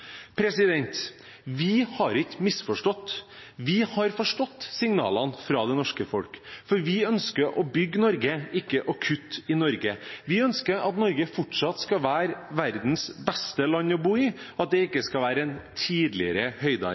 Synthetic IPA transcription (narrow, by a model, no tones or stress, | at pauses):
pʰɾɛsɪd̪ɛnt̪ | ʋɪhɑɾɪkːmɪsfɔʂʈɔt̪ːʋɪhɑɾfɔʂʈɔt̪ːsɪŋnɑ̰ːlɑnfɾɑːd̪ɛnɔʂkəfɔlkfɔɾʋɪœnskəɾʔɔbʏɡːnɔɾɡəɪkːəʔɑkʰʉt̪ːɪnɔɾɡəʋɪœnskəɾɑt̪nɔɾɡəfɔʈʂɑt̪skɑʋæːɾʋæɾd̪n̩sbɛst̪əlɑnːɔbuːɪɑt̪̚d̪ɛɪkːəskɑlʋæːɾəɛnt̪ʰiːd̪lɪəɾəhœʏd̪ɑ̰